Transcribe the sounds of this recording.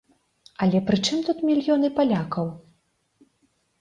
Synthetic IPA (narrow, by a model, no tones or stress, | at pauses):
ɐlʲɛpɾɨt͡ʂɨmt̪ut̪mʲilʲjɔnɨpalʲakɐw